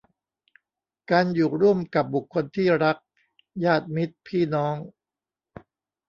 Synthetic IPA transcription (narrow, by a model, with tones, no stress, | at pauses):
kaː˧njuː˨˩ɾu˥˩əmka˨˩p̚bu˨˩kʰːo˧nt̪ʰiː˥˩ɾa˦˥k̚ | jaː˥˩t̪̚mi˦˥t̪̚pʰiː˥˩nɔː˦˥ŋ